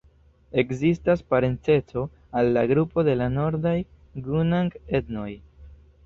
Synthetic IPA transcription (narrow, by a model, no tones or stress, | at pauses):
e̞kzistaspaɾe̞nt͡se̞t͡so̞ | alːaɡɾupo̞de̞lano̞ɾdaj | ɡunaŋɡe̞dno̞j